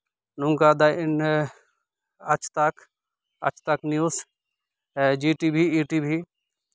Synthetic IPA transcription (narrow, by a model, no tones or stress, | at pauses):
nũŋɡaːd̪aɪn | ɐt͡ʃʰt̪ak | ɐ̰t͡ʃʰt̪aknjuːs | d͡ʒiːʈiːbʱiiːʈiːbʱi